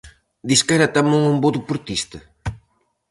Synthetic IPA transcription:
d̪iskaɾɐt̪amuŋumboðepuɾt̪ist̪ɐ

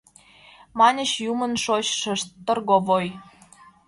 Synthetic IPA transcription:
mɑnʲə̆ɕjumə̆nʃot͡ɕʃə̆ʃtːə̆rɣoβoj

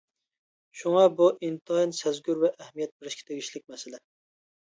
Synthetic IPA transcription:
ʃuŋɑbuʔint̪ɑinsɛzɡʲyɾvɛʔːhmijɛt̪̚beɾɪʃkʲɛ̥t̪ʰeɡʲiʃlɪk̚ʲmɛsɪlɛ

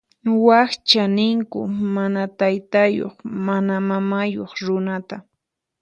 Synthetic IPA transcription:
waχt͡ʃanɪŋkʊ̰manat̪ajt̪ajo̰χmanamamajoχɾʊnat̪a

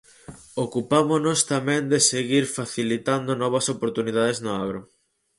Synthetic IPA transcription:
okupamonost̪amɛ̃nd̪eseɣiɾfaθilit̪and̪ʊnɔβɐsopoɾt̪uniðað̞eznʊaɣɾʊ

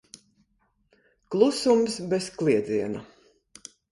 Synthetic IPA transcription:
klˠusumsbɛsklˠiɛd̪ziɛna

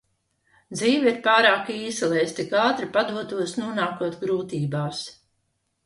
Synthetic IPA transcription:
d̪ziːviɾpaːɾaːkiːsilˠɛjst̪ikaːt̪ɾipad̪uɔt̪uɔsnuɔnaːkuɔt̪ɡɾuːt̪iːbaːs

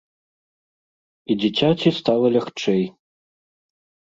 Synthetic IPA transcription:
id͡zʲɛt͡sʲat͡sʲist̪alˠɐlʲɐxt͡ʂɛj

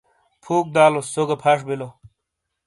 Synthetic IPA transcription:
pʰuːk̚d̪aːlosoɡɐpʰaʂ̬bilo

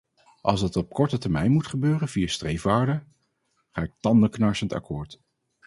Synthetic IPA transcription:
ʔɑ̰lˠsdɑtɔp̚kɔɹtətəɹmɛjnmutχəbøːrənv̥ijastrejfʋaːɹdə | χaːɪk̚tɑndəknɑɹsənta̰kʊːɹt

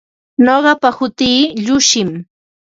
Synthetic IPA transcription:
noɢɑpahʊt̪iːʎʊʃɪm

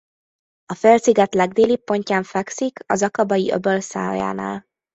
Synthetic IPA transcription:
ɒfølsiɡɛt̪lɛɡ̚d̪eːlipːo̞ɲcaːɱfɛksikʰɒ̰zɒkɒbɒjiʔø̰bølsa̰ːja̰ːna̰ːl

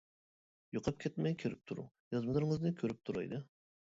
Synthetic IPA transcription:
juqʰɑp̚kʲʰɛt̪mɛjkʲʰeɾɪp̚t̪ʰuɾṵ | jɑzmɨlˠɨɾɨŋɨznɨkʲʰøɾyp̚t̪ʰuɾɑ̰jd̪ɨ

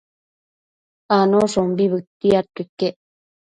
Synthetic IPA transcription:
anosombiβɨt̪ːiat̪ːikːeʔ

